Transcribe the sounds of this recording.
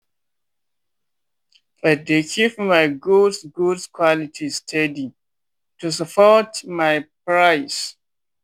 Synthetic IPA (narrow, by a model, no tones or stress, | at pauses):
badekʰipmaɪɡudsɡudskʰwɔlitʰistʰɛdi | tus̬əpʰɔtmajpɹaɪs